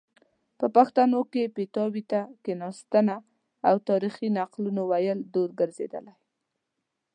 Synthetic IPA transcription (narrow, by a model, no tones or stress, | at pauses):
pəpaxt̪anokepet̪ɑwit̪akenɑst̪əna | awt̪ɑɾixinaqlunowajəld̪oɾɡəɾzḛd̪ə̰laj